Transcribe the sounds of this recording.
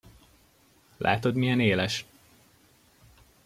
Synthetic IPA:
lʔa̰ːt̪o̞d̪mijɛneːlɛʃ

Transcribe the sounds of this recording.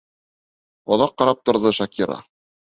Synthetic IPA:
oðɑqːɑɾɑp̚t̪ŏɾðɤʃakʲiɾɑ̰

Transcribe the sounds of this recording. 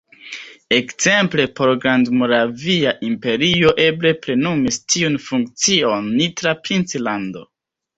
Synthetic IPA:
e̞kz̥e̞mple̞po̞ɾɡɾandmo̞ɾaviaʔimpe̞ɾio̞ʔe̞ble̞ple̞numistʰiunfuŋk̚t͡sionːitɾapɾint͡slando̞̰

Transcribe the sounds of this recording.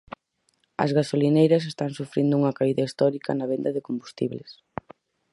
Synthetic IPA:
ɐ̰zɣasolinejɾɐs̬est̪aŋsufɾind̪ʊuŋɐkaiðɐist̪ɔɾikɐnɐβend̪ɐðɪkombust̪ḭβles

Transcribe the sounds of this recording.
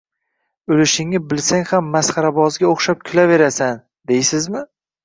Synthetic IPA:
ɵlɪʃɪŋnɪbɪlsaŋʲhamːasχɑɾabɒzɡʲaoχʃap̚kʲʰʊlave̞ɾasan | d̪ejsɪzmɪ

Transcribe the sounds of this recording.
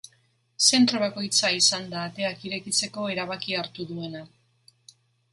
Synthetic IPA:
se̞nt̪ɾo̞β̞ako̞jt͡saisand̪aːt̪e̞akiɾe̞kit͡se̞ko̞e̞ɾaβ̞akiaɾt̪uðue̞na

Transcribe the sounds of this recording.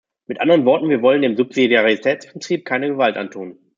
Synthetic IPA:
mɪtʔandəʁ̞ənvɔɐtn̩viːɐvɔləndeːmzʊpz̥idjaʁitʰɛːt͡sb̥ɪʁ̥iːp̚kʰaɪnəɡəvaltʔa̰ntʰuːn

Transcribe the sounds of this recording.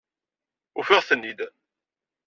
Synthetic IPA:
ufiʁθənːid̪

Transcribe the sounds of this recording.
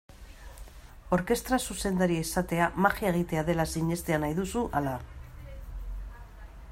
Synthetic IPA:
o̞ɾke̞st̪ɾasuse̞nd̪aɾiaisat̪e̞amaxiaeɣ̞it̪e̞aðe̞lasiɲe̞st̪e̞anajðusuʔala

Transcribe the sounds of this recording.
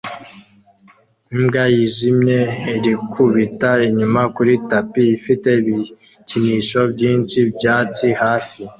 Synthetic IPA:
imɡajiʒimɲe̞eɾikʰuβitaiɲumakuɾitapiːfite̞βi | ciniʃo̞bɟiːnt͡ʃibɟaːt͡sihaːfi

